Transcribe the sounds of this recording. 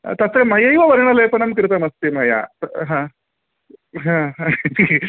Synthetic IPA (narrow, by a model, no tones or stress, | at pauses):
t̪ɐt̪ɾemɐjɐjʋɐʋɐɾɐɳɐleːpɐnɐmkɾɨt̪ɐmɐst̪imɐja̰ɐɦãː | ɦãːɦã